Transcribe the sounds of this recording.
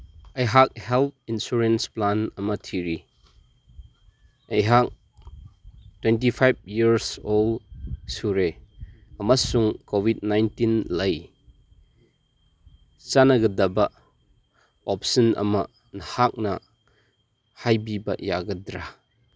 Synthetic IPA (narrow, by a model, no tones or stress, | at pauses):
ɐjɦak̚helt̚insuɾensplanɐmɐtʰiɾi | ɐjɦak̚ | twentipʰajb̚jiɾsolsuɾe | ɐmasuŋkobid̚najntinlɐj | t͡ʃanɐɡɐdɐbɐ | ɔp̚sɐnɐ̰mɐ | nhak̚nɐ | hajbibɐja̰ɡɐdɾa